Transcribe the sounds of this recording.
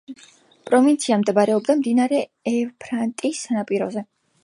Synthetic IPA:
pʼɾɔvint̪sʰiamd̪ɛbaɾɛɔb̚d̪amd̪inaɾɛɛpʰɾant̪ʼisanapʼiɾɔ̰zɛ

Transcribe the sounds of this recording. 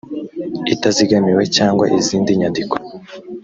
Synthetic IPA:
itaziɡamiwe̞caːŋɡwa̰ʔiziːndiɲandiko̥

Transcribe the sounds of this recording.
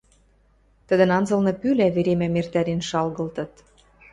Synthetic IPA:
t̪ə̆d̪ə̆nɑnzɤ̆lnɤ̆pylæβeɾemæmert̪æɾenʃɑlɣɤ̆lt̪ɤ̆t̪̚

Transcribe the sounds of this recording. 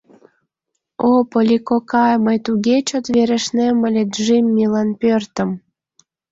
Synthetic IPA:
opolʲikokɑməjt̪uɣʲet͡ɕot̪βeɾĕʃneməlʲet̪ʒimːilɑnpørt̪ə̆m

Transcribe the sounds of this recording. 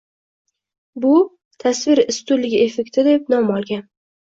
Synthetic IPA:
bʊ | t̪ʰasvɪɾɪst̪ʊlːɪɡʲɪefe̞k̚ʲt̪ʰɪd̪ep̚nɒmɒlˠɡʲan

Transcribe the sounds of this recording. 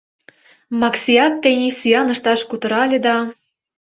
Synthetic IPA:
mɑksʲijɑt̪ːenʲisyjɑnɤ̆ʃt̪ɑʃkut̪ɤ̆ɾɑlʲĕd̪ɑ

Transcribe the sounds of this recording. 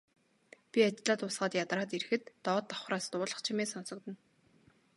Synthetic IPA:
pʲiat͡ɕtɮaːt̪ʊːsɢaːt̪jat̪raːt̪erxɘ̆t̪ːɔːt̪ːɔ̥χraːst̪ʊːɮə̆χt͡ɕʰimeːsɔn̥sɞ̆k̚t̪ɘ̆n

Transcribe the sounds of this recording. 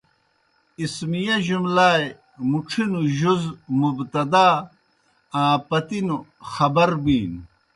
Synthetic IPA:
ismijɐʑumlaːj | muʈ͡ʂʰinuʑuzmubt̪ɐd̪aː | ãːpɐt̪inuxɐbɐɾbiːn

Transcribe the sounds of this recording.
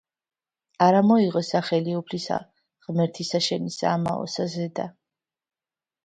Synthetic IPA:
aɾamɔiʁɔsaχɛliupʰlisa̰ | ʁmɛɾt̪ʰisaʃɛnisa̰ma̰ɔ̰sazɛd̪a

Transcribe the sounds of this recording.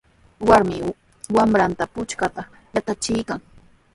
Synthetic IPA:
waɾmɪ | wamɾant̪apʊt͡ʃkat̪a | jat̪at͡ʃɪjkaŋ

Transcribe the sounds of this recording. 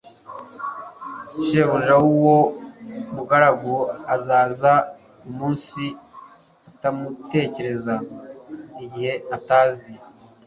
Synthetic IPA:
ʃeːβuʒawuwo̞muɡaɾaɡoazaːza | umuːnsi | atamute̞ːce̞ɾe̞za | iɟihe̞ataːzi

